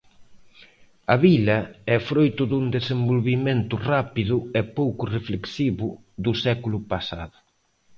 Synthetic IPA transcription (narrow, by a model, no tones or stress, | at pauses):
ɐβilɐɛfɾojt̪ʊðuŋd̪esembolβiment̪ʊrapiðʊɛpowkʊrefleksiβʊ | ðʊsɛkulʊpasa̰ðʊ